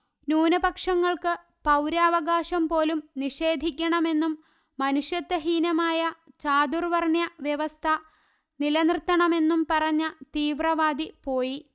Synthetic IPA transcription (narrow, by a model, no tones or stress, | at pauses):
nuːnɐbɐkʂɐŋːɐɭkɨ | pɐwɾaːʋɐɡaːɕɐmpo̞ːlumniʂe̞ːd̪ʱikʲːɐɳɐme̞nːumː | ɐnuʂjɐt̪ːɐɦiːnɐmaːjɐ | t͡ɕaːd̪urʋɐrɳjɐʋjɐʋɐst̪ʰɐ | nilɐnrɨt̪ːɐɳɐme̞nːumpɐrɐɲːɐt̪iːʋrɐʋaːd̪ipo̞ːji